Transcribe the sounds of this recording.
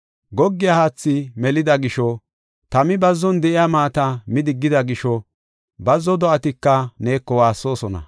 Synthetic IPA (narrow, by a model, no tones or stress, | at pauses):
ɡɔɡːɪjahaːt͡sːɪmɛlɪd̪ɐɡɪʃɔ | t̪ɐmɪbɐzːɔnd̪ɛʔɪjamaːt̪ɐmɪd̪ɪɡːɪd̪ɐɡɪʃɔ | bɐzːɔd̪ɔʔɐt̪ɪkːɐne̞ːkːɔwaːsːo̞ːsɔnɐ̰